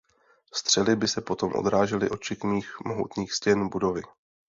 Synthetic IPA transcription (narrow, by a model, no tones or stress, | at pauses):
st̪r̝̥ɛlɪbɪsɛpo̞t̪o̞mʔo̰d̪ɾaːʒɛlɪ̰ʔo̞t̪̚t͡ʃɪkmiːxmoɦṵt̪niːxscɛnbudo̞vɪ